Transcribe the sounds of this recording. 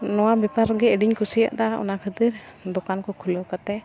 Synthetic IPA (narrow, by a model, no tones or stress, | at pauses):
nɔwabɛpaɾɡɛəɖiɲkʰusija̰ʔd̪aɔ̰nakʰəd̪iɾd̪ɔkankɔkʰulɔkat̪ɛ